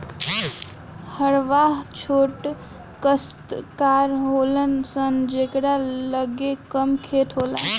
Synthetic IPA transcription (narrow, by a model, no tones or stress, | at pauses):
həɽʋaɦt͡ʃʰoʈ | kəst̪kaɾɦolənsənd͡ʒekɽaləɡekəmkʰet̪ɦola̰n